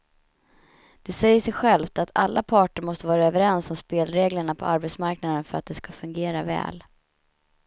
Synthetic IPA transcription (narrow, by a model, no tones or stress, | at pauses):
d̪̥ɛsɛjːəʂɛjɧɛlft̪at̪ʰalːapʰɑːʈəɾmɔst̪əvɑːɾaøœːvəɾɛnsɔmspeːlɾeːɡləɳapʰɔ̰ʔaɾbɛt̪smaɾknad̪ənfœɾa̰t̪̚d̪ɛskafɵŋɡeːɾavɛ̰ːl